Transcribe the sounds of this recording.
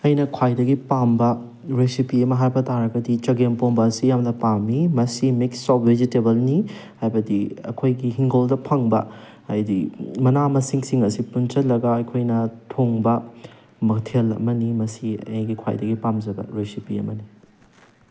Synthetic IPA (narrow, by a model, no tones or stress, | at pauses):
ɐjnɐkʰwajdɐɡipambɐ | ɾesipiɐmɐɦajbɐtʰaɾɐɡɐdit͡ʃɐɡempoŋbɐːsijamdɐpamːimɐsimeksːɔezitebɐlnihajbɐdiɐ̰kʰojɡiɦiŋɡoldɐpʰɐŋbɐ̰ | ɐjdimɐnamɐsiŋsiŋɐsipunt͡ʃɐtlɐɡɐɐjkʰojnɐtʰoŋbɐ | mɐktʰelɐ̰mɐnimɐsiɐ̰jɡikʰwa̰jdɐɡipamd͡ʒɐbɐ̰ɾesipiɐ̰mɐni